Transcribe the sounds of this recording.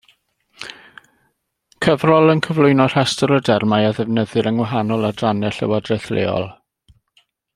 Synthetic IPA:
kʰəvrɔlˠənkʰəvlˠʊjnɔr̥ɛstɔɾədɛrmajaðɛvnəðɨɾəŋwaɦanɔlˠadranɛɬə̰wadrɛθlḛːɔ̰lˠ

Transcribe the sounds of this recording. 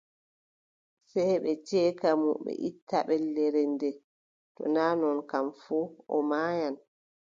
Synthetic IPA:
sɛjɓɛt͡ʃɛːkamuɓɛ̰ʔitʰːaɓɛlːɛɾɛndɛ | tɔ̰naːnɔnkamfuɔ̰maːjan

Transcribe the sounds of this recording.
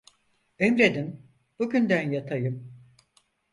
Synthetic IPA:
ømɾed̪im | b̥uɟynd̪ænjat̪ʰajɯm

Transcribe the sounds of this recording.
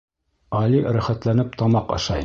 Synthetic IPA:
ɑliɾæχæt̪lænɘp̚t̪ɑmɑqɑ̰ʃɑj

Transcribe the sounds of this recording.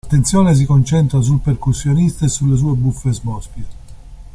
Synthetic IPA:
at̪ːent̪sjɔːnes̬ikont͡ʃɛnt̪ɾas̬ulpeɾkusːjonist̪esulːes̬uːebufːezmbɔspje

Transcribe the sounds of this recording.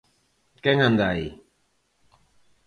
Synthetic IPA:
kɛŋhand̪ai

